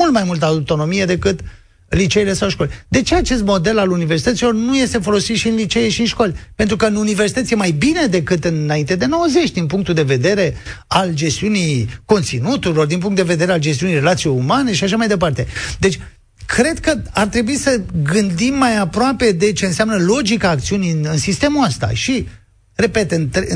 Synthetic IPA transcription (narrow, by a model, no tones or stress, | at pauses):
ult̪majmult̪̬əawt̪o̞no̞mije̞d̪e̞kɨt̪ | lit͡ʃejle̞sawʃko̞lʲd̪e̞t͡ʃe̞at͡ʃe̞s̬t̪mo̞d̪e̞laluniversit̪ət̪silo̞rnuje̞st̪efo̞lo̞sit̪ʃiɨnlit͡ʃejeʃiɨnʃko̞lʲpent̪ɾukəɨnuniversi̥t̪ət̪sjemajbined̪e̞kɨt̪ɨnaint̪ed̪e̞no̞wəze̞t͡ʃʲd̪inpuŋk̚t̪uld̪e̞ve̞d̪e̞ɾe̞ald͡ʒe̞st̪iunijko̞nt̪sinut̪uɾilo̞rd̪inp̬uŋkt̪d̪eve̞d̪e̞ɾeald͡ʒest̪iunijre̞lat̪sijejumaneʃiaʃamajd̪e̞p̬art̪e̞d̪e̞t͡ʃʲ | kʰɾe̞d̪kəart̪ɾe̞buisəɡɨnd̪imːajapɾoape̞d̪e̞t͡ʃe̞ɨnseamnəlo̞d͡ʒikaːk̚t̪siunijɨnɨnsist̪e̞muast̪a̰ʃi | re̞pe̞t̪ɨnt̪